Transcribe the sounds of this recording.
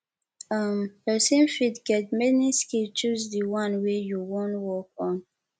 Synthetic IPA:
ʌməsẽmfidɡɛt̚mɛniskilt͡ʃuzdiwãnwejuwõnwɔkɔ̃n

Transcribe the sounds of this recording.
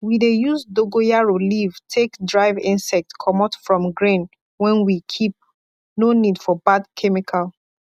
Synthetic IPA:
widejuzdoɡojaɹoliv̥tʰekdɹaɪvĩnsɛk̚tkʰɔmatfɹɔ̃mɡɹĩn | wɛ̃nwikʰip̚ | nonidfɔbadkʰɛmikʰal

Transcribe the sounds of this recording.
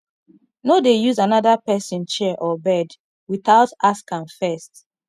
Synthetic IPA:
nodejuzanaðapɛsĩnt͡ʃɛʔɔbɛd | wiθaʊtaskãŋfɛst

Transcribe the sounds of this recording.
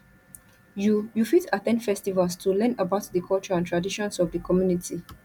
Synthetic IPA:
jjufitatɛ̃ndfɛstivalstʰulɛ̃nəbaʊtdəkʰɔlt͡ʃɔãntʰɹadiʃɔ̃nsɔvdəkʰɔmjunitʰi

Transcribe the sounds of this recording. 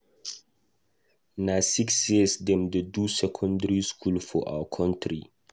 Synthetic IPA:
nasiksjesdɛ̃mdedusɛkʰɔ̃ndəɹiskʰulfɔʔa̰wəkʰɔ̃ntʰɹi

